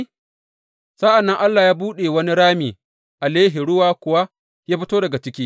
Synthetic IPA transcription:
saː˦ʔa˨nːɐ˦ŋʔa˦lːaː˨jaː˦buː˦ɗe˨wɐ˦ni˦ɽaː˦miː˨ | ʔa˨leː˦ɦi˨ɽʊ˦waː˦kʷʊ˨wa˦ | jaː˦ɸɪ˦toː˦dɐ˨ɡa˨t͡ʃɪ˦kʲiː˦

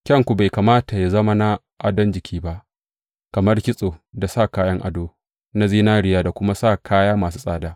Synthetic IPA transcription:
kʲɐ˦ŋkʷu˨ba˨jka˨maː˦ta˨ja˨zɐ˦ma˦na˦ | ʔa˨dɔ˦nd͡ʒɪ˨kʲʰiː˦ba˦ʔ | kɐ˨mɐ˦rkʲɪ˦sʼoː˨da˨saː˦˨kaː˦jɐ˦ŋʔa̰˨doː˦ | na˦ziː˦naː˦ɽɪ˨jaː˦da˨kʷʊ˦ma˦saː˦˨kʰaː˦jaː˦maː˨s̬u˦sʼaː˨daː˦

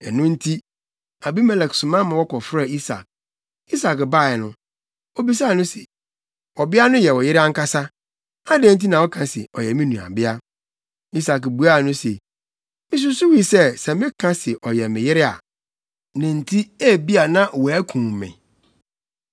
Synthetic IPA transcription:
ɛ˨nʊ̃˦n̩˦tʰi˦ | a˨bi˦mɛ˨lɛ˨ksʊ˨mã˦mã˨wɔ˦kɔ˨fɾa˨i˦sa̰˨k̚ | i˦sa˨kba˦˨ɛ˨nʊ̃˦ | o˦˨bi˦s̬a˦˨nʊ̃˦sḛ˨ | wɔ˨bɪ˦a˦nʊ̃˦jɛ˨wɔ˨jɪ˦ɾɪ˦a˦ŋ̩˦ka˦sa˦ | a˦dɛ̃˦n̩˦t̬i˦nã˨wɔ˦kʰã˨sɪ̰˨ʔɔ̰˨jɛ˨mĩ˦nũ˨a̰˨bɪ˦a˦ | i˦sa˨kbu˨a˦˨nʊ̃˦se˨ | mɪ̃˦s̬ʊ˦su˦wi˨sɛ˦˨sɛ̃˨mɪ̃˦kʰã˦sɪ˨ʔɔ˨jɛ˨mɪ̃˨jɪ˦ɾɪ˦a̰˨ | nã˨n̩˨tʰi˦ɛ˦˨bi˦a˨nã˦˨wɔ˨æ˦kʰũ˨mːɛ̰̃˨

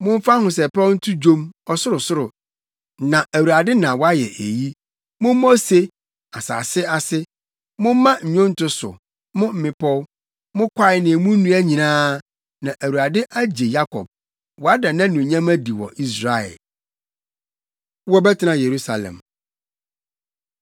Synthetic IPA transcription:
mʊ̃˦m˦fa˦hʊ̃˨sɛ˨pʰa˦n̩˦tʰʊ˦d͡ʑõ˦mɔ˨sʊ˦ɾʊ˨sʊ˦ɾʊ˨ | nã˨ʔæ˨wu˨a˨dɪ˦nã˨wɔ˦a˦jɛ̰˨ʔe˨ji˦ | mʊ̃˦m˦mo˦se˦ | a˨sa̰ː˨sɪ˦a˨sɪ˦ | mʊ̃˦m˦mã˦ɲ̩˨ɲʊ̃˦n̩˦tʰʊ˦sʊ̰˨ | mʊ̃˦m̩˨mɪ̃˨pʰɔ˦w | mʊ̃˦kʷʰa˦ɪ˦nɪ̃˨mũ˦nũ˦æ˦ɲĩ˨nãː˦ | nã˨ʔæ˨wu˨ɾa˨dɪ˦ʔæ˦d͡ʑe˨ja˦kʰɔ̰˨b̚ | wɔ˨a˦da˨nã˦nʊ̃˨ɲã˦mæ˦di˨wɔ̰˨ʔi˦sɾa˨ɛ̰˨l | wɔ˦bɛ˦tʰɪ˨˦nã˦je˨ɾu˦sa˨lɛ̰̃˨m

